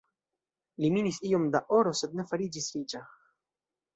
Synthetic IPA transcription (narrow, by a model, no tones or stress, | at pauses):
liminisio̞mdaʔo̞ɾo̞se̞d̪ne̞faɾid͡ʒisɾid͡ʒa